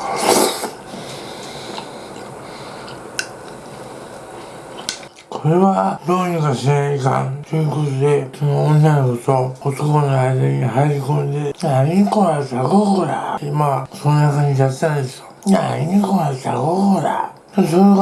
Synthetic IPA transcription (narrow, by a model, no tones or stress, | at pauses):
kʰo̞ɾe̞βad̪o̞ːɲ̟ikaɕinaiikã̰nt̪ojɯkot̪od̪e̞ooõnnankot̪oot̪okonoaid̪aɲ̟ihaiɾʲikõ̞nd̪e̞naiɲikoɾasaɡoɡɯɾa̰imasononakãɲd͡ʑiijat̪et̪ãnd̪e̞sjona̰iɲikoɾasaɡoɡɯɾa̰d̪asoɾeɡ